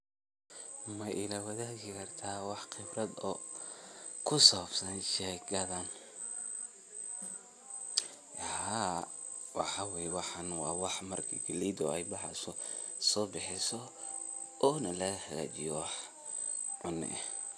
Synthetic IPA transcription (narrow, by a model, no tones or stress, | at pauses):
mɐʔɪlɐwɐðaːkɪkʰɐrt̪ʰaːwɑħxɪbrɐd̪ɔː | kʰʊsɔbsɐnʃɛːɡɐðɐn | ha | wɑħɑwɛjɛwɑħɐnwɑ̰ːwɑħmɐrkʰiɡɐlid̪ɔ̰ɛjbɑħɑ̰sɔ | sɔːbɪħɪsɔ | ɔːnɐlɐɣɐxɐɣa̰ːt͡ʃɪjɔwɑħ | ʕʊnɪ̰ʔɛ